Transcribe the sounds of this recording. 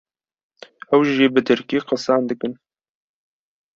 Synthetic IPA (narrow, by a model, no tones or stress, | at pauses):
ɛwʒiːbɨt̪ʰɨɾkiːqɑsɑːnd̪ɨkɨn